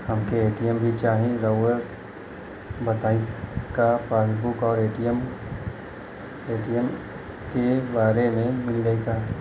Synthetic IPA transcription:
hɐmkeeːʈijəmbʱit͡ʃaːɦĩɾoːwəɾ | bɐt̪aːĩkafeːsbʊkɔːɾeːʈiəm | eːʈijəm | kebaːɾemẽmɪlɡəiɡa

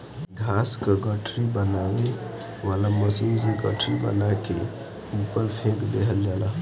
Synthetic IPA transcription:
ɡʱaskaɡəʈʰɾibənawe | ʋaːlaməsinseɡəʈʰɾibə̰nake | upəɾpʰekd̪eɦəld͡ʒala

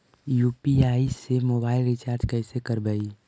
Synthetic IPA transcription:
juːpiaːisemoːbaːɪlɾɪt͡ʃaːɾd͡ʒkɛːsekəɾbəi

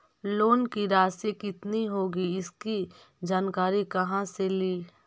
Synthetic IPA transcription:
loːnkiɾaːsekɪt̪niɦoːɡiɪski | d͡ʒaːnkaːɾikɐɦãseliː

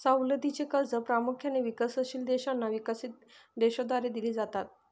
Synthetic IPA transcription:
sawləd̪it͡sekəld͡zəpɾamukʰjaneʋikəsəɕiːld̪eɕanːaʋikəsiːt̪̚ | d̪eɕod̪ʋaɾed̪iliːd͡zat̪at̪̚

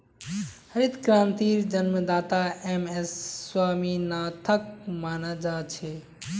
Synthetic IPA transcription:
həɾit̪kɾaːnt̪iɾd͡ʒənməd̪aːt̪aemesːwaːminat̪ʰək̚maːnad͡ʒat͡ʃʰe

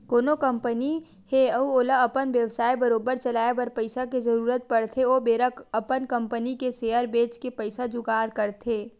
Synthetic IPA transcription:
koːnokə̃mpəni | heɐuoːlaɐpənʋjəʋsaːibɐɾoːbəɾt͡ʃɐlaːebɐɾpɐɪsakezɐɾuːɾət̪̚pɐɽt̪ʰeoːbeːɾəkɐpənkə̃mpənikeseːjəɾbeːt͡ʃkepɐɪsad͡ʒʊɡaːɾkəɾt̪ʰeː

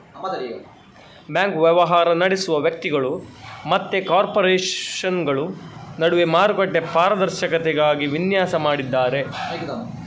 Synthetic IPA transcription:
bjaːŋkʋjɐʋɐɦaːɾɐnɐɽesuʋɐʋjɐk̚t̪iɡɐɭumɐt̪ːekaːɾpoɾɛːɐnɡɐɭunɐɽuʋemaːɾukɐʈːepaːɾɐd̪ɐɾʃɐkɐt̪ɛɡaːɡiʋinjaːsɐmaːɽid̪ːaːɾe̞

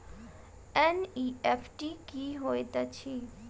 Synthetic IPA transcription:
eniepʰʈikiɦoet̪at͡ɕʰi

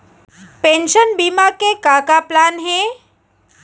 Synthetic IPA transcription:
pẽnʃənbimakekakaplanɦe

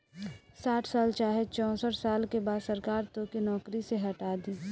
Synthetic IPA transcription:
saːʈʰsaːlt͡ʃaːɦet͡ʃɔ̃ːsəʈsaːlkebaːd̪sɐɾkaːɾt̪okinɔːkɾiseɦɐʈaːd̪iː

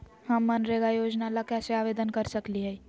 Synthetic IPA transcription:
həmːənɾeɡajod͡ʒnaləkjaseaʋed̪ənkəɾsəkliɦəj

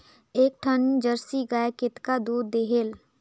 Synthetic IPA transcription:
eːk̚ʈʰənd͡ʒəɾsiɡaekɪt̪kad̪uːɾd̪eɦel

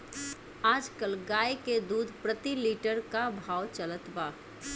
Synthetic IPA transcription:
aːd͡ʒkəlɡaːeked̪uːd̪ʱpɾət̪iliːʈəɾkabʱaːwt͡ʃələt̪baː

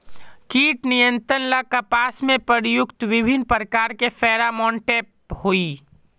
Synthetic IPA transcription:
kiːʈnɪjə̃nt̪ɾənlakapaːsmẽpəɾjʊkt̪ʋɪbʱɪnpɾəkaːɾkefɛːɾamɔ̃ːɳʈep | hoiː

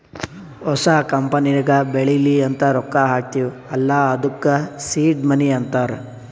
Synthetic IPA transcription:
ɔsakɐmpɐniɾɡɐbeɭiliɐnt̪ɐɾɔkːaɦaːk̚t̪iʋu | ɐlːaɐd̪ukːɐsiːɖmɐniɐnt̪aːɾ

